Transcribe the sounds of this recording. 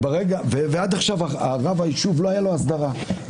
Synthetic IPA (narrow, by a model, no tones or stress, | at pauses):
beʁeɡavevead̪aχʃavaaʁavaiʃuvlohajalo̞asd̪aʁa